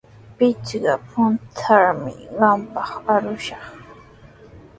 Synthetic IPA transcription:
pɪt͡ʃɢɑpʰʊnt̪ʰaɾmɪ̰ɢɑmpɑχaɾʊʃɑχ

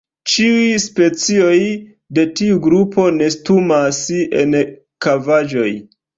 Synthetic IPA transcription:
t͡ʃiujspe̞t͡sio̞j | de̞tiuɡɾupo̞ne̞stumasḛn | kavad͡ʒo̞j

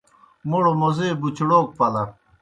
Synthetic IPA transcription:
moɽomozeːbut͡ɕɽoːk̚pɐlɐ

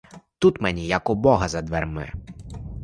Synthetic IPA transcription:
t̪ut̪mɛnʲijɐkʊbɔɦɐzɐd̪ʋɛrmɪ̰

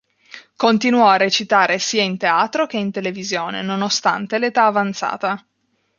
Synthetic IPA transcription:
kont̪inwɔarːet͡ʃit̪aːɾesiːaint̪eaːt̪ɾok̟eint̪elevizjoːnḛnonost̪a̰nt̪elet̪aːvant̪sa̰ːt̪a

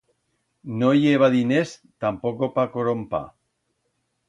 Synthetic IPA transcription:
nojeβ̞aðinest̪ampokopakoɾompa̰

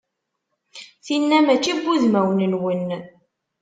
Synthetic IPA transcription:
θinːæmæt͡ʃːiɡʷːuðmæwnənwən

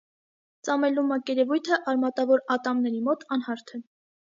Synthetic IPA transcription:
t͡sɑmɛlumɑkɛɾɛvujt̪ʰəʔɑɾmɑt̪ɑvɔɾɑt̪ɑmnɛɾimɔt̪ɑnhɑɾt̪ʰɛ

